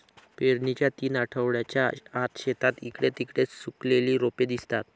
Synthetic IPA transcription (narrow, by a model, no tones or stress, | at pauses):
peɾɳit͡ɕjat̪iːnaʈʰəʋɽjat͡ɕjaːt̪ɕet̪at̪ikɽet̪ikɽet͡ssukleliːɾoped̪ist̪at̪